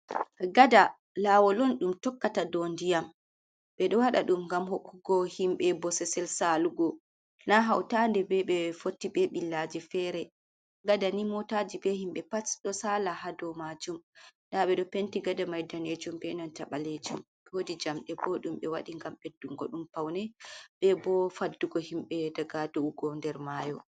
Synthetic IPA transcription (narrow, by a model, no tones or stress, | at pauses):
ɡada | laːwɔlɔnɗumtɔkːatadɔndijam | ɓɛɗɔwaɗa̰ɗumŋɡamhokːuɡɔhimɓɛbɔsɛsɛlsaluɡɔ | naɦawtandɛbɛɓɛfotːiɓɛɓilːad͡ʒifɛɾɛ | ɡadanimɔtad͡ʒibɛhimɓɛpasɗɔsalahadɔmad͡ʒumɗaɓɛɗɔpentiɡadamajdaned͡ʒumbɛnantaɓaled͡ʒum | ɛwodid͡ʒamɗɛbɔɗumɓɛwa̰ɗiŋɡamɓedːuŋɡɔɗumpawnɛɓɛbɔfadːuɡɔhimɓɛdaɡadouɡɔndɛɾmajɔ